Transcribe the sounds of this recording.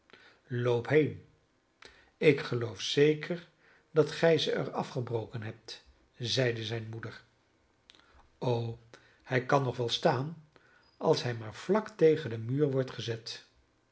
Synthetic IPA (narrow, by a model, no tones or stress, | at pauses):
lowpɦejn | ɪkχəlowfsejkʰəɹ | dɑtχɛjzəʔə̰rɑfχəbrowkənɦɛp̚t | zɛjdəzɛjnmudəɹ | ow | hɛjkɑnːɔχʋɛlˠstaːn | ʔɑ̰lˠsɦɛjmaːɹv̥lɑktejχəndəmyːɹʋɔɹtχəzɛt